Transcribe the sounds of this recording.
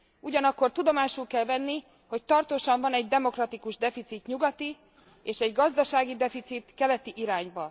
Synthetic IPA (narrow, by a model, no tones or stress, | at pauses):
uɟɒnɒkːo̞rt̪ud̪o̞maːʃulkɛlvɛnːi | hoc̚t̪ɒrt̪oːʃɒɱvɒnɛɟd̪ɛmo̞krɒt̪ikuʒd̪ɛfit̪sit̪ɲuɡɒt̪i | eːʃɛɟɡɒzd̪ɒʃaːɡid̪ɛfit̪sit̪kɛlɛt̪iʔiɾaːɲbɒ